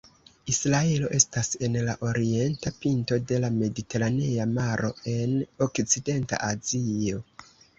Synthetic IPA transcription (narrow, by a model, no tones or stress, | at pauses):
isɾae̞lo̞ʔe̞stase̞nlaʔo̞ɾie̞ntapinto̞de̞lame̞dite̞ɾaneamaɾo̞̰e̞no̞kt͡side̞nta̰ʔazio̞